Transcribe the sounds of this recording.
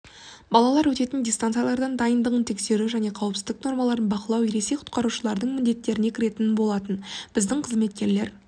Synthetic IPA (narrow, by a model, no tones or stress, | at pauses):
bɑlˠɑlˠɑɾwɵt̪e̞t̪ɪndʲist̪ant̪sɨjalˠɑɾd̪ɑnd̪ɑjənd̪əʁənt̪ʰe̞kse̞ɾuʒæne̞qʰɑwəpsɪzd̪ɪk̚no̞ɾmɑlˠɑɾənbɑqəlˠɑweɾe̞sejqʰʊ̥t̪̚qɑɾuʃəlˠɑɾd̪əɴmɪnd̪e̞t̪ːe̞ɾɪne̞kʲʰɪɾe̞t̪ɪnɪbo̞lˠɑt̪ənb̥ɪzd̪ɪɴqʰəzme̞t̪̚kʲe̞ɾle̞ɾ